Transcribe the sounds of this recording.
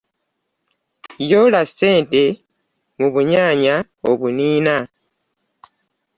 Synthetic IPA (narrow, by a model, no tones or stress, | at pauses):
jo̞ːlasi̥te̞ːnte̞ | muβuɲaːɲa | oβuniːna